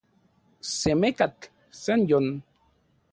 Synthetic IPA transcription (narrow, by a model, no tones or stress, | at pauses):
semekat̪ | senjon